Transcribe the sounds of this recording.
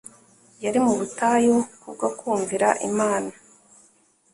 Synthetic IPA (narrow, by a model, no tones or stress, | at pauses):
jaɾimuβutajokubɡakʰuːɱviɾaʔḭmaːna